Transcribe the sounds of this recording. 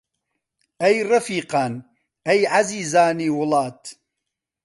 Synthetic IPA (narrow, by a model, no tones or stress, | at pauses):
ʔajɾˤɑfiːqɑːn | ʔajʕaziːzaːniːwʊlɑːt̪